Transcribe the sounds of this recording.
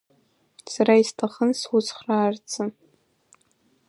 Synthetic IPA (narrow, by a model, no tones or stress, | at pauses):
saɾaistʰaχənswʊt͡sχraːrt͡sʰɨ